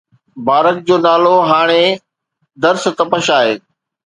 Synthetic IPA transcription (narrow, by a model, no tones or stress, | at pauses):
baːɾək̚d͡ʑoːnaːloɦaːɽ̃e | d̪ɐɾst̪ɐpəʃaːɦeː